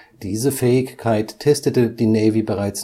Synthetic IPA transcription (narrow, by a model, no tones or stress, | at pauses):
d̥iːzəfɛːɪçkʰaɪtʰːɛstətəd̥iːnɛːvibəʁaɪt͡s